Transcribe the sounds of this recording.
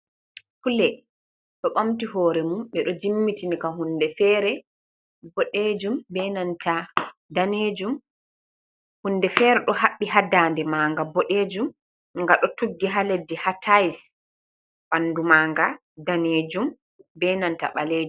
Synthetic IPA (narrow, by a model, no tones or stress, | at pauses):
fulɛ | ɗɔɓamtiɦɔːɾɛmumɓɛɗɔd͡ʒimːitinikaɦunːdɛfɛːɾɛ | bɔɗeːd͡ʒumbɛnantadaned͡ʒum | hundɛfɛːɾɛɗɔhaɓːiɦadandɛmaːŋɡabɔɗed͡ʒum | ŋɡaɗɔtuɡːiɦaledːihatʰajs | ɓandumaːŋɡa | daneːd͡ʒum | bɛnanta̰ɓaleːd͡ʒu